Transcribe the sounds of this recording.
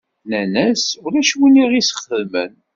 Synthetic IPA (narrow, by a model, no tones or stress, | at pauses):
nænæsʊɾæʃwiniʁisə̥χəðmə̰n